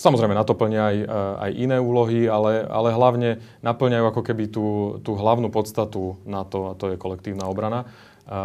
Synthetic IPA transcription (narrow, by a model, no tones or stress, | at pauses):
samɔzɾɛɪmɛnat̪ɔpl̩ɲɪaːja̰jʔinɛːuːlɔɦialɛa̰lɛɦlaʊɲɛnapl̩ɲajuːakɔkɛbit̪uːt̪uːɦlaʊnuːpɔt̪st̪at̪unat̪ɔat̪ɔjɛkɔlɛk̚t̪iːʊnaːɔbɾana